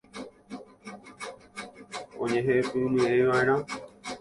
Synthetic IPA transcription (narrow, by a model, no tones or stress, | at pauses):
õɲẽɦepɨ̃nɨejʋaẽɾ̃ã